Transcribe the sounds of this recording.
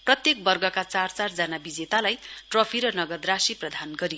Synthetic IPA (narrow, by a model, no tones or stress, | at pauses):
prʌt̪jek̚bʌrɡʌkat͡sart͡sard͡zanabid͡zet̪alajʈrʌpʰiɾʌnʌɡʌd̪rasiprʌd̪ʱanɡʌɾi